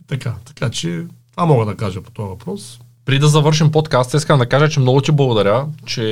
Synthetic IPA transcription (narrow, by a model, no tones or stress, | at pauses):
t̪ɐkat̪ɐ̥kat͡ʃɛt̪vamɔɡəd̪ɐkaʒəpo̥t̪ɔjɐvɐpɾɔs | pɾid̪ɐzɐvɤɾʃɛmpot̪kast̪iskəmd̪ɐkaʒət͡ʃɛmnɔɡʊt̪ʲiblˠɐɡod̪ɐɾʲət͡ʃɛ